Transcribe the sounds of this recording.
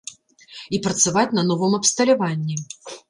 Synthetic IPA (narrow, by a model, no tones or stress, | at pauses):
ipɾɐt̪savat͡sʲnɐnɔvɨmɐpst̪ɐlʲavanʲːi